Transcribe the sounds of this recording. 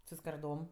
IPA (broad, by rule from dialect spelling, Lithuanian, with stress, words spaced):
sʊ skɐrˈdoːm